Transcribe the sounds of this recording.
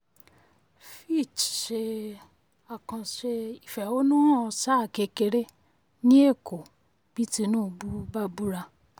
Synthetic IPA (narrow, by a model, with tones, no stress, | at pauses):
fi˦˨t͡ʃʃe˧ | a˨kã˧ʃe˧i˨fɛ˨o˦nũ˦ɔ˧sa˦˨ke˨˧ke˧ɾe˦ | nĩ˦e˦˨ko˨ | b̥i˦ti˧˦nũː˦˧bu˦ba˦bu˦ɾa˧